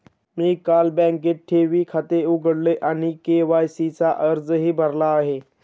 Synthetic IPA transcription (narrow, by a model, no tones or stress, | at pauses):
miːkalbɛ̃ŋkeʈ̚ʈʰːeʋiːkʰat̪euɡʱəɽleʔaɽ̃ikeʋajsit͡saʔəɾd͡zɦiːbʱəɾlaːɦe